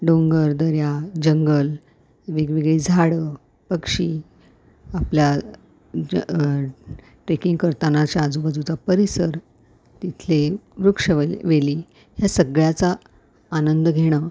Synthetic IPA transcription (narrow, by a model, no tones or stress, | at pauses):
ɖõŋɡəɾd̪əɾjad͡ʑəŋɡəl | ʋeɡʋeɡɭiːd͡zʱaɽə | pəkʂiː | aplja | ʈɾekiŋɡkəɾt̪anat͡ɕjaːd͡zubəd͡zʱut͡sapəɾisəɾ | t̪it̪ʰleʋɾukʂəʋeliː | ɦjasəɡɭjat͡saː | nənd̪əɡʱeɽ̃ə